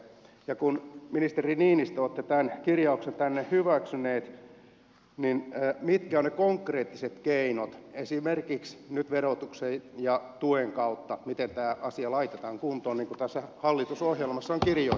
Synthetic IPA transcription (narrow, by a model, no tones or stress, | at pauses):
jɑkunminist̪eriniːnist̪oːt̪ːet̪ænkirjɑuksent̪ænːehhyʋæksyneːt̪ | ninːmit̪kæonekoŋkreːt̪ːiset̪keinot̪esimerkiksnyt̪ʋerot̪uksejjɑt̪ueŋkɑut̪ːɑmit̪ent̪æːʔɑsiɑlɑit̪et̪ɑːŋkunt̪ˑoːnniːŋkut̪æsːæhɑlːit̪usohjelmɑsːɑoŋkirjo